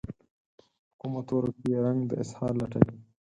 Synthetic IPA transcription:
hʊkumat̪waɾokijeɾaŋɡd̪ə̰ɪshɑːɾlɐʈa̰wi

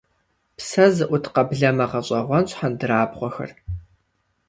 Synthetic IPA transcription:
psɐzɨʔʷʊtʰqɐbɮɐmɐʁɐɕʼɐʁʷɔnɕʷʼħandɨɾaːbʁʷɔxɐ̰r

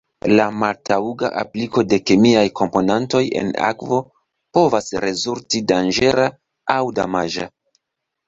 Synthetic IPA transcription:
lamaltauɡa̰ʔa̰pliko̞de̞kemiajkʰo̞mpo̞nanto̞je̞̰na̰kvo | po̞vasɾe̞zultidand͡ʒe̞ɾa | awda̰maʒa

